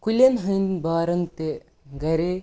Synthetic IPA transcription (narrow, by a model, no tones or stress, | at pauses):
kulʲenɦujnbaːɾɐŋt̪e | ɡɐɾe